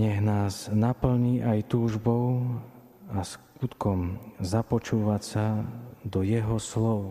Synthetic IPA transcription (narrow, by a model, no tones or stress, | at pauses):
ɲɛɣnaːznapl̩ɲiːʔajt̪uːʒbɔʊ | askut̪kɔmzapɔt͡ʃuːʋasad̪ɔjɛɦɔslɔʊ